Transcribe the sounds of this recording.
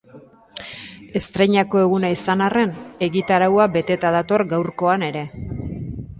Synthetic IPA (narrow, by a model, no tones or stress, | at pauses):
e̞st̪ɾe̞ɲako̞e̞ɣ̞unaisanare̞ne̞ɣit̪aɾawabe̞t̪e̞t̪aðat̪o̞ɾɡawɾko̞ane̞ɾe̞